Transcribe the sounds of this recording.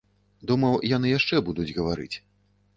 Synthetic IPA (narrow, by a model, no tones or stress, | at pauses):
d̪umɐwjan̪ɨjaʂt͡ʂɛbud̪ud͡zʲɣɐvaɾɨ̰t͡sʲ